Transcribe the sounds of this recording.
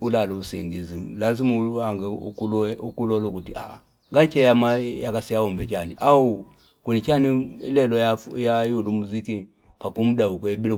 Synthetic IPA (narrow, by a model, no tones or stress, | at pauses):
ulaluusḭŋɡizilazimuulaŋɡɛṵkulukulɔlukutia̰ | ŋɡat͡ʃɛjamajakasijaɔmbɛt͡ʃaniʔau | kunit͡ʃaniilɛlɔjajajulumuziki | pakum̩daukwɛbilɛ